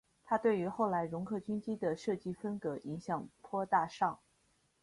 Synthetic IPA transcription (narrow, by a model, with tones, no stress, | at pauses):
t̪ʰa˥t̪we˥˩ɪy˧˥xo˥˩ʊla˧˥ɪɻʊ˧˥ŋkʰɤ˥˩t͡ɕy˥nt͡ɕi˥d̪ə˨ʂɤ˥˩t͡ɕi˥fə˥nkɤ˧˥ʔi˧˥ŋɕjɑ˥˩ŋpʰwɔ˥t̪a˥˧ʂɑ˥˩ŋ